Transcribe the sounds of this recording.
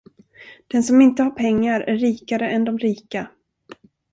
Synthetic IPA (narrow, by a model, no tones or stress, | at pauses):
d̪̥ɛnsɔmɪnt̪əhaɾpʰɛŋːaɾæɾːiːkaɾəɛnd̪ɔmɾiːka